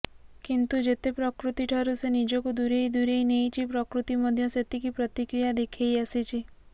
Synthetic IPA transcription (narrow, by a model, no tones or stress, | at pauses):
kint̪ud͡ʒet̪epɾɔkɾut̪iʈʰəɾusenid͡ʒɔkud̪uɾejd̪uɾejnejt͡ʃʰipɾɔkɾut̪imɔd̪ʱjɔset̪ikipɾɔt̪ikɾijad̪ekʰejasit͡ʃʰi